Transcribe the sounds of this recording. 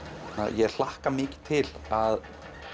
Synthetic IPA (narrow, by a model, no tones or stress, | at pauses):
na̰jɛɣl̥ahkamɪːcɪ̥t̪ʰɪlað